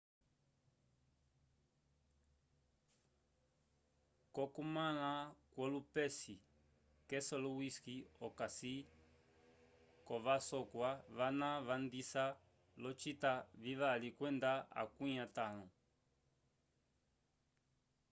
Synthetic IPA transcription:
kɔkumalakwɔlupɛsi | kɛsɔlɔwiskiɔkasi | kɔβasɔkwaβanaβandisa | lɔt͡ʃitaviβalikwɛndaa̰kuɲatalɔ

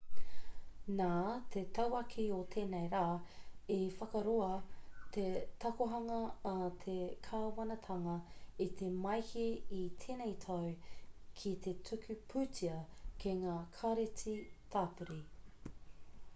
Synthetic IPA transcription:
naːt̪ʰet̪ʰɐwɐkʰiot̪ʰeːnejɾaːefɐkɐɾoɐt̪ʰet̪ɐkoɦɐŋɐːt̪ʰekʰaːwɐnɐt̪ʰɐŋɐit̪ʰemɐjhiit̪ʰeːnejt̪ʰɐwkʰit̪ʰe̞tʰʉkʰʉpʰʉːt͡siɐkʰeŋaːkʰaɾet͡sit̪ʰaːpuɾi

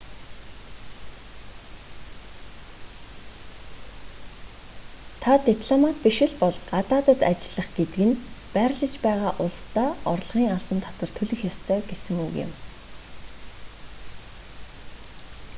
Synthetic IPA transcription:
t̪ʰat̪ipʰɮɔmat̪̚piʃɪ̆ɮpɔɮɢat̪aːt̪ə̆t̪at͡ɕɪ̆ɮə̆χɡet̪ɘ̆ɡɘ̆npæːɾɮə̆t͡ɕpæːʁaːʔʊɮst̪aːɔrɮʁ̥iːŋaɮp̪ə̆nt̪ʰɔ̥t̪wə̆rt̪ʰɵɮɘ̆xjɔst̪ʰœːɡesɘ̆ŋṵɣɪ̰m

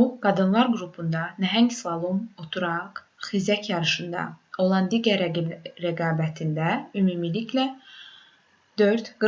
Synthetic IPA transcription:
uɡ̥ɑd̪ɯnlˠɑɾɡɾupʰund̪ɑnæɦæŋɡslɑlˠumot̪ʰuɾɑq | χizæcʰjɑɾɯʃɯnd̪ɑ̰o̞lˠɑnd̪iɟæɾɾæɡɑːbæt̪ʰind̪æymumiliclæ | d̪̥ø̞ɾt̪ɡ̥ɯ

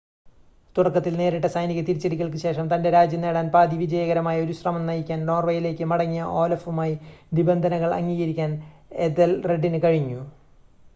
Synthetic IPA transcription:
t̪uɽɐkːɐt̪ːilne̞ːɾiʈːɐsɐjniɣɐt̪iɾit͡ɕːeɽikʲːɐɭkɨɕe̞ːʂɐmt̪ɐnde̞ɾaːd͡ʑjɐne̞ːɽaːnpaːd̪iʋid͡ʑɐjɐɣɐɾɐmaːjo̞ɾuɕrɐmɐmnɐjikʲːaːnno̞ːrʋɐjile̞ːkʲːɨmɐɽɐŋːijɐʔo̞ːlɐfumaːjinibɐnd̪ʱɐnɐɣɐɭɐ̰ŋːiːɣɐɾikʲːaːn | ed̪elreɖːinɨkɐɻiɲːu

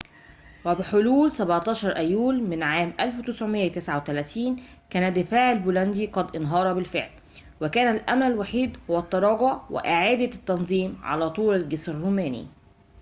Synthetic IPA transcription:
wæbɪħʊluːlsæbʕt̪ˤɑːʃɑɾˤʔæjːuːlmɪnʕaːmʔælfwt̪ɪsʕʊmɪjːt̪ɪsʕawet̪ælæːt̪iːn | kæːnæd̪ɪfaːʕɪlbuːlænd̪iqɑd̪ʔɪnɦɑːɾˤɑbɪlfḛʕl | wɪkæːnælʔæ̰mnælwaħiːd̪hʊwæt̪ˤːɑɾˤɑːɡʊʕwɪ̰ʔɪʕaːd̪æt̪ːɑnzˤiːmʕa̰læːt̪ˤuːlælɡɪsɪrːuːmæːnḭ

